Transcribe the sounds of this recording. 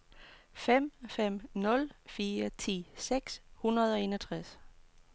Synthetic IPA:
fem̰fem̰nɔ̽lfiːɐt͡sʰḭːseɡ̥shunɐð̞ˠɒ̽e̝ːnɒt͡sʰʁas

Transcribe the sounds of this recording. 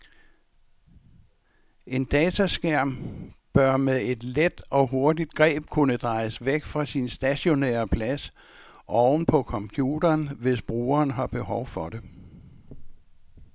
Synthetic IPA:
ʔe̝nd̥ɛːt͡sʰæsɡ̥æɐ̰mb̥ɶɐ̰meðˠe̝d̥led̥ɒ̽ɦo̝ɐdid̥̚ɡ̥ʁɛ̰ːb̥̚kʰunəd̥ʁɑ̈ɪsʋeɡ̥fʁɑ̈sinsd̥æɕo̝nḛːɐpʰlæs | ʔɒʊnpʰɒ̽kʰɒ̽mpʰjṵːd̥ɐːnʋe̝sb̥ʁuːɐːnɦɑ̈b̥e̝hɒʊfɒ̽ɾe̝

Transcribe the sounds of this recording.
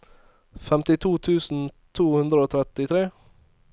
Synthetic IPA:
fɛmt̪ɪt̪ʰuːt̪ʰʉːsn̩t̪ʰuːhʉnd̪ɾəoːt̪ʰɾɛt̪ɪt̪ʰɾeː

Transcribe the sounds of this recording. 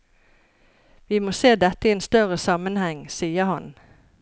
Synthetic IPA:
ʋiːmoːseːd̪ɛt̪ːəieːnst̪œʁəsɑmənhɛŋsiːəhɑn

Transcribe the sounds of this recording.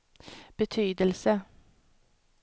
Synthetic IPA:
b̥ət̪ʰyːd̪əlsə

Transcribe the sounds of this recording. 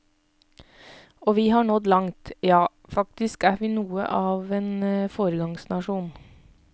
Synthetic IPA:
oːʋiːhɑːɳɔd̪lɑŋt̪jɑː | fɑkt̪ɪskæːʋiːnuːə̰ʔɑːʋeːnfoːɾəɡɑŋsnɑʃuːn

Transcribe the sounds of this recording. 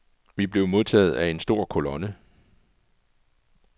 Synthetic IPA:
ʋib̥le̝ʊmo̝ðˠt͡sʰɛ̰ːð̞̩ˠæe̝nsd̥o̝ɐ̰kʰo̝lɔ̽nə

